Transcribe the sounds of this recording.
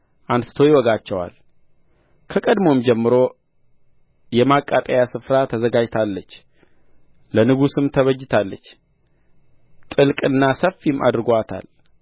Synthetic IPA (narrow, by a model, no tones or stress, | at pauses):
ʔansɨ̥t̪ʰo̞jɪwɔɡat͡ʃːɛwa̰l | kʰəkʼəd̪mo̞md͡ʒɛmːɨɾo̞ | jɛmakʼːat̪ʼajasɨfɾat̪ʰəzəɡad͡ʒt̪ʰalːət͡ʃː | lənɨɡusɨmt̪ʰəβəd͡ʒːɪt̪ʰalːət͡ʃː | t̪ʼɨlkʼɨnːasəfimʔa̰d̪ɨɾɨɡoat̪ʰa̰l